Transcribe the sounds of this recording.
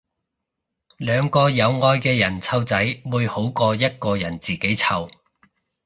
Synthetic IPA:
lœː˨˧ŋkɔː˧jɐ˨˧wŋɔː˧jkɛː˧jɐ˨˩nt͡sʰɐ˧wt͡sɐ˨˥jmuː˨˧jho˨˥wkɔː˧jɐ˥t̚kɔː˧jɐ˨˩nt͡siː˨˩ke˨˥jt͡sʰɐ˧w

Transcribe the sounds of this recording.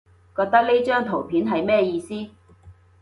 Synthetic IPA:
kɔː˧k̚t̪ɐ˥k̚ne˥t͡ʃœː˥ŋt̪ʰo˨˩wpʰiː˨˥nɦɐ˨jmɛː˥jiː˧siː˥

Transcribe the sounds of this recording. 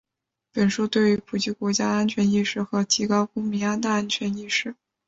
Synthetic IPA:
pə˨˩nʂu˥t̪we˥˩ɪy˧˥pʰu˨˩t͡ɕi˥˩kwɔ˧˥t͡ɕja˥a˥nt͡ɕʰɥɛ˧˥ni˥˧ʂɻ̩˥˩xɤ˧˥t̪ʰi˧˥kɑ˥ʊkʊ˥ŋmi˧˥a˥t̪a˥˧a˥nt͡ɕʰɥɛ˧˥ni˥˧ʂɻ̩˥˩

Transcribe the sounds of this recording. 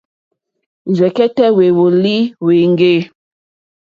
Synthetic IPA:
zɛ˨kɛ˦tɛ˦we˨wo˨li˦we˨ŋ˦ɡe˦˨

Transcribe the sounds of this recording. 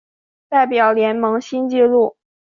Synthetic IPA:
t̪a˥˩ɪpjɑ˨˩ʊljɛ˧˥nmɤ˧˥ŋɕi˥nt͡ɕi˥˧lu˥˩

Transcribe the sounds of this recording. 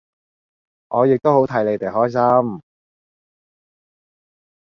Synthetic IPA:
ʔɔː˨˧jɪ˨k̚t̪o˥who˨˥wt̪ʰɐ˨˥jle˨˧jt̪e˨jɦɔː˥jsɐ˥m

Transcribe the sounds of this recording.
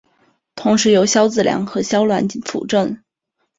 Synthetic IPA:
t̪ʰʊ˧˥ŋʂɻ̩˧˥jo˧˥ʊɕjɑ˥ʊt͡sɹ̩˥˩ljɑ̰˧˥ŋxɤ˧˥ɕjɑ˥ʊlwa˧˥n˥fʰṵ˨˩ʈ͡ʂə˥˩n

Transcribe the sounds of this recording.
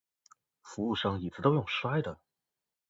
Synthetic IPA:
fu˧˥u˥˩ʂɑ˥ŋi˨˩t͡sɹ̩˥t̪o˥ʊjʊ˥˩ŋʂwa˥ɪd̪ə˨

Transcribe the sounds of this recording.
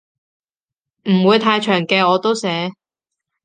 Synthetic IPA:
m̩˨˩wuː˨˧jt̪ʰaː˧jt͡ʃʰœː˨˩ŋkɛː˧ɔː˨˧t̪o˥wsɛː˨˥

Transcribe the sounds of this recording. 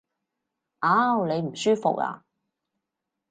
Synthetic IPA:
ʔaː˨˥wne˨˧jm̩˨˩syː˥fo̰˨k̚a̰ː˧˨

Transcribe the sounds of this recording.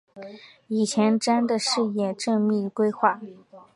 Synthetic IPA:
i˨˩t͡ɕʰjɛ˧˥nʈ͡ʂa˥nd̪ə˨ʂɻ̩˥˧jɛ˥˩ʈ͡ʂɤ˥˧ŋmi˥˩kwe˥ɪxwa˥˩

